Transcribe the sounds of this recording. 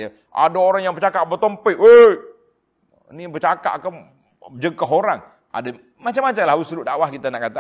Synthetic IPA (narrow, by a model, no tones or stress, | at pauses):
ja | ʔa̰daoɾaŋjaŋpət͡ʃakaʔbət̪əmpəəj | nipət͡ʃaka̰ʔkam | d͡ʒəkaɦoɾaŋ | a̰da | mat͡ʃamːat͡ʃaŋlaɦusɾuʔdawahkit̪anaʔkːat̪a